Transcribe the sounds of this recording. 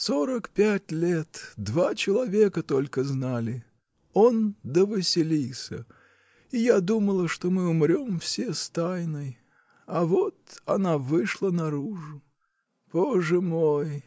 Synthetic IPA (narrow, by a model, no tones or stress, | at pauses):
soɾəkpʲætʲlʲet̪d̪vat͡ɕɪlˠɐvʲe̞kət̪o̞lʲkəznalʲɪ | o̞nd̪əvɨsʲɪlʲilˠsʲə̰ | ijad̪uməlˠəʂt̪o̞mɨʊmɾʲo̞mfsʲest̪ajnɨj | ɐvo̞t̪ɐnavɨʂlˠənɐɾuʐʊ | poʐɨmoj